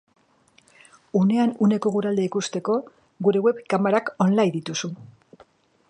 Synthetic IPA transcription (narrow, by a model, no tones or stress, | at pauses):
une̞anune̞ko̞ɣuɾald̪e̞ikust̪e̞ko̞ | ɣuɾe̞we̞βkamaɾako̞nlajnd̪it̪usu